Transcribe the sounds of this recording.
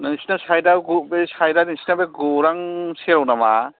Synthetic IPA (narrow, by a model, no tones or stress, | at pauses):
nasinasajdaɡubesajdadisinabeɡuɾaŋseɾɔwnama